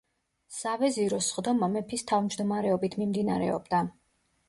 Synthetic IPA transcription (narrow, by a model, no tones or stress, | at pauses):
savɛziɾɔsχʼd̪ɔmamɛpʰist̪ʰavmd͡ʒd̪ɔmaɾɛɔbit̪ʰmimd̪inaɾɛ̰ɔ̰bd̪a